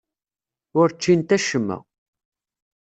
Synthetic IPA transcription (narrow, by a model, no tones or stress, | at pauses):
ʊɾt͡ʃːint̪æʃəmːə̰